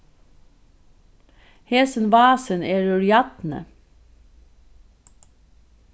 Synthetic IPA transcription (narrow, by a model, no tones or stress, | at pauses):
heːsən̩ʋɑːsəneːɹʉɹjɑt̪nə̰